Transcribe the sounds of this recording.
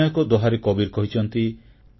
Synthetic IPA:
jɔkɔd̪ɔɦaɾekɔbiɾkɔɦit͡ʃʰɔnt̪i

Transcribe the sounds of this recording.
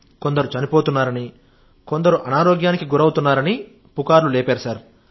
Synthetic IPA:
ko̞nd̪ɐɾut͡ʃɐnipo̞ːt̪unːaːɾɐni | ko̞nd̪ɐɾuʔɐnaːɾoːɡjaːnikiɡuɾɐwut̪unːaːɾɐni | pukaːɾluleːpeːɾusaːɾ

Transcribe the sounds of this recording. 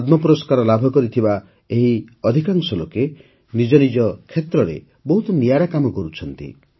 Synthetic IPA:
d̪mɔpuɾɔskaɾɔlabʱɔkɔɾit̪ʰiba | eɦiɔd̪ʱikaŋsɔloke | nid͡ʒɔnid͡ʒɔkʰːet̪ɾɔɾḛ | bɔɦut̪ɔnijaɾakamɔkɔɾut͡ʃʰɔnt̪ḭ

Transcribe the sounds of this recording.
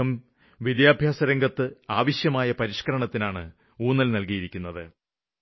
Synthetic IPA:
ɐm | ʋid̪jaːbʱjaːsɐɾɐŋɡɐt̪ːɨaːʋɐɕjɐmaːjɐpɐɾiʂkɐɾɐɳɐt̪ːinaːɳɨ | uːnːɐlnɐlkijiɾikʲːun̪ːɐðɨ

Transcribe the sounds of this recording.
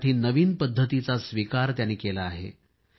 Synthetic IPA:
ʈiːnəʋiːnpəd̪ʱːət̪it͡sasʋikaɾt̪janːiːkelaːɦḛ

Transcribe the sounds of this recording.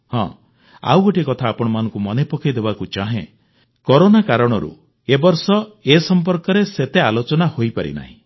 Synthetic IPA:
hɔ̰̃ | a̰wɡoʈikɔt̪ʰaːpɔɽ̃ɔmanɔ̃ŋkumɔnepɔkʰid̪ebakut͡ʃaɦḛ̃ | kɔɾonakaɾɔɽ̃ɔɾṵ | ebɔɾsɔesɔmpɔɾkɔɾeset̪ealot͡ʃɔnahojpaɾḭna̰ɦḭ̃

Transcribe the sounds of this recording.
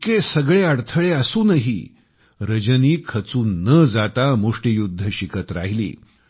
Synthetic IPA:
kesəɡɭeəɽt̪ʰəɭeəsuːnəɦḭː | ɾəd͡ʑəniːkʰət͡suːnːəd͡zat̪amuʂʈijud̪ʱːəɕikʰət̪ɾaɦilḭː

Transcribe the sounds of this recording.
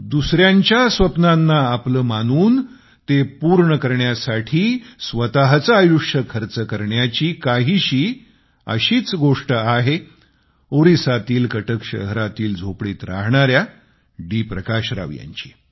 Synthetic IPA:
d̪usɾjaɲt͡ɕjasʋəpnanːaːpləːmanuːn | t̪epuɾɳəkəɾɳjasaʈʰiːsʋət̪aɦt͡saajuʂəkʰəɾt͡səkəɾɳjat͡ɕiːkaɦiːɕiː | ə̰ɕiːt͡sɡoʂʈəaɦe | oɾisat̪iːlkəʈəkɕə̰ɦɾat̪iːld͡zʱopɽiːt̪ɾa̰ɦɳaɾja | ɖipɾəkaɕɾa̰ʋja̰ɲt͡ɕiː

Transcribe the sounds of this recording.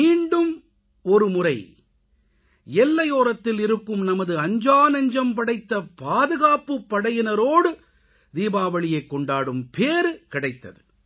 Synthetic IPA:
iːɳɖɯm | ɔɾɯmʊrɐɪ | ɛlːɐjoːɾɐt̪ːɪlɪɾɯkːɯmnɐmɐðɯɐɲd͡ʒaːnɐɲd͡ʒɐmpɐɽɐɪt̪ːɐpaːðɯɣaːpːɯpːɐɽɐjɪnɐɾoːɽɯ | d̪iːbaːʋɐɭɪjɐɪkːɔɳɖaːɽɯmpeːɾɯkɪɽɐɪt̪ːɐðɯ

